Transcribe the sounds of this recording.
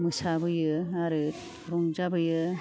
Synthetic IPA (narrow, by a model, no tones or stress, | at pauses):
mɯsabɯjɯaɾɯt | ɾɔŋzabɯjɯ